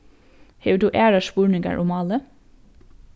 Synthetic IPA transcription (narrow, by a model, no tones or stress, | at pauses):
heːʋd̪ʉːʔæːɹɑʃpuːɹɳɪŋɡə̰ɹʔʊmɑlə